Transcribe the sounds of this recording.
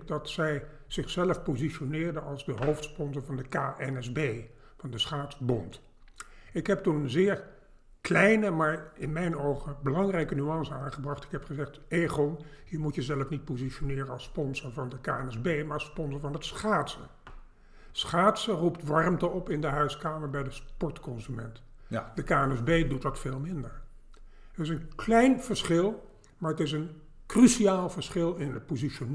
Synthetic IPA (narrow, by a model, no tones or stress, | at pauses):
k̚dɑtsɛj | z̥ɪχsɛləfpoziʃonɪːɹdənɑlˠzdəɦowftspɔnzəɹvɑndəkaːʔɛnɛzbej | fɑndəsχaːtsbɔnt | ɪkɦɛp̚tunənzɪːɹ | klɛjnəmaːɹɪnmɛjnowχəbəlɑŋrɛjkənyɑnsəaːnχəbrɑχtɪ̥kɦɛpχəzɛχteːχonjəmutjəzɛləfnit̚poziʃonɪːrəɑlˠspɔnsəɹvɑndəkaːɛnɛzbejmaːɹɑspɔnsəɹvɑnətsχaːtsə | sχaːtsəruptʋɑrmtəɔpɪndəɦœɥskaːməɹbɛjdəspɔɹtkɔnzymɛnt | dəkaːɛnɛzbejdutdɑtfeːlˠmɪndəɹ | ətɪsənklɛjnv̥əɹsχɪlˠ | maːɹətɪs̬ən | krysiaːlˠvəɹsχɪlˠɪnətpoziʃon